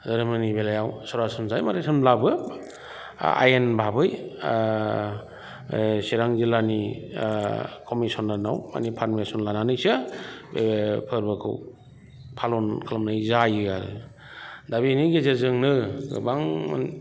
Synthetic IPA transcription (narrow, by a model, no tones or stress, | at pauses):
zaɾɯmɯnibelajawsawɾasɯmzajmaɾɯsʰɯnlabɯ | a̰jenbʱabɯj | siɾaŋzilani | kʰomisɔnlanawma̰nipʰaɾmesɔnlananɯjsɯbepʰɯɾbɯkʰɯ̰w | pʰalɔnkʰalamnajzajɯɡaɾɯ̰ | dabiniɡezezɯŋnɯɡɯ̰baŋa̰n